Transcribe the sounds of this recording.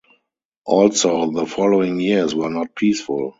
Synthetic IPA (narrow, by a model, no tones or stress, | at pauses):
ʔɔlsoʊðəfɔloʊɪ̃ŋjiswɜ˞nɔt̚pʰiːsfʊl